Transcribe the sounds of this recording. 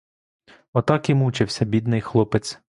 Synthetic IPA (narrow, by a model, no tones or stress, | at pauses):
ɔt̪ɑkʲimut͡ʃɪwsʲɐbʲid̪nɪjxlˠɔpɪt̪t͡s̪ʲ